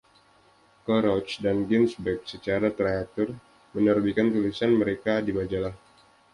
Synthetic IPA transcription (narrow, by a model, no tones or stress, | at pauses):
kɔɾɔt͡ʃdanɡɛnsbɛk̚sət͡ʃaɾat̪ɾaak̚t̪ɔr | mənərbikant̪ulisanməɾekadibad͡ʒalah